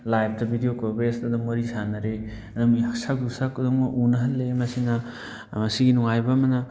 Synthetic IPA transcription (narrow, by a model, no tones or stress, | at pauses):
lajp̚ʰtɐbʱidijokobesdɐdɐmoɾisanɐɾe | ɐdumiɐksak̚dusakːuduŋmɐʔunɐɦɐlːemɐsinɐ | mɐsiɡinuŋajbɐːmɐnɐ